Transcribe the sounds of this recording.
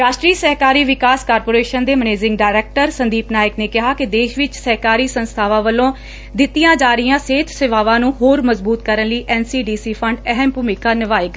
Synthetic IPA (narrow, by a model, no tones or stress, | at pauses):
ɾaːʃʈɾiːsəɦkaːɾiːʋɪkaːskaːɾpoːɾeːʃənd̪eːməneːzɪ̃ŋɡɖaːɪɾɛːk̚ʈəɾsənd̪iːpnaːjɪkneːkɪɦaːkɪd̪eːʃʋɪt͡ʃsəɦkaːɾiːsənst̪ʰaːʋãːʋəlːõː | d̪ɪt̪ːijãːd͡ʒaːɾɪjãːseːt̪ʰseʋaːʋãːnũːɦoːɾməzbuːt̪kəɾənliːʔɛːnsiːɖiːsiːpʰəɳɖɛɦɛmpʊmɪkaːnɪʋaːeːɡa